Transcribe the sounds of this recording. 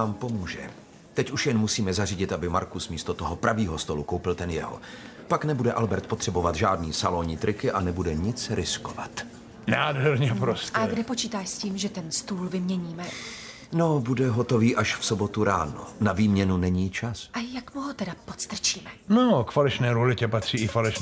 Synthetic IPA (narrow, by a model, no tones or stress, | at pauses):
aːmpo̞muːʒɛ̰ | t̪ɛcuʃjɛnmusiːmɛzariɟɪt̪ʔabɪma̰ɾkusmiːst̪ot̪oɦopɾʔaviːɦost̪o̞lukowpɪlt̪ɛnjɛɦo̰ | paknɛbudɛʔalbɛɾt̪po̞t̪r̥ɛbovat̪ʒaːdniːsaloɲiːt̪ɾʔɪkɪʔanɛbudɛɲɪt͡sɾʔɪskova̰t̪ | naːdɦɛɾɲɛpɾoscaɛɡdɛpot͡ʃiːt̪aːʃsciːmʒɛt̪ɛnst̪uːlvɪmɲɛɲiːmɛ | no̞budɛɦot̪o̞viːʔaʃfsobo̞t̪uɾaːno̰naviːmɲɛnunɛɲiːt͡ʃasʔajakmuɦot̪ɛdapot̪st̪r̩t͡ʃiːmɛnokfalɛʃnɛːɾulɪcɛpat̪r̝̥iːɪfalɛʃ